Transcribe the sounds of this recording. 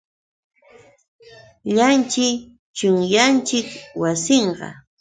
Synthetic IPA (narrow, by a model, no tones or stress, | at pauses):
ʎant͡ʃɪ | t͡ʃʊŋjant͡ʃɪkwasɪɴɢɑ̰